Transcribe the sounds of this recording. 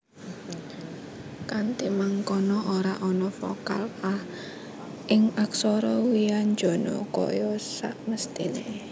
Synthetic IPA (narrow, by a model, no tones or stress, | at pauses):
kant̪imaŋkɔnɔʔoɾaʔɔnɔfɔ̰ka̰la | ʔɪŋaksɔɾɔwiaɲd͡ʒo̤nɔ̰kɔ̰jɔsaʔməst̪ine